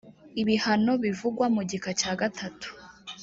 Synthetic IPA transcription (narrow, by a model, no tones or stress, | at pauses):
iβihano̞βivuɡwamuɟikacaːɡatʰatu̥